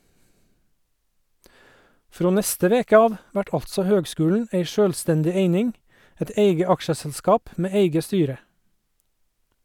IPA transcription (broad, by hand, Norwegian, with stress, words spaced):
ˈfɾoː ˈnɛstə ˈʋeːkə ˈɑːʋ ˈʋæʈ ˈɑltsɔ ˈhøːɡˌskʉːln̩ ˈeɪ ˈʃøːlˌstɛndɪ ˈeɪnɪŋ ˈɛt ˈeɪɡə ˈɑkʃəsl̩ˌskɑːp ˈmeː ˈeɪɡə ˈstyːɾə